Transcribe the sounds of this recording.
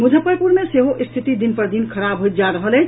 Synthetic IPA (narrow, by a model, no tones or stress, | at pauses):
mud͡ʒʱəpəɾpuɾmeseɦoʔist̪ʰit̪id̪inpəɾd̪inkʰəɾabɦojt̪̚d͡ʒaɾəɦəlɛ